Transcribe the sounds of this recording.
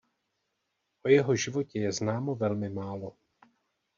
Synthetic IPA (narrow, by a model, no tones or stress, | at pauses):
ʔo̞jɛɦo̞ʒɪvo̞cɛjɛznaːmo̞vɛlmɪmaːlo